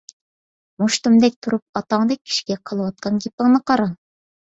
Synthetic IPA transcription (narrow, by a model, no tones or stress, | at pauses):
moʃt̪umd̪ɛk̚ʲt̪ʰuɾup̚ɑt̪ɑŋd̪ɛkʲʰːi̥ʃi̥ɡʲɛqʰəlˠɨwɑt̪̚qʰɑnɡʲepɪŋnɨqʰɑɾɑn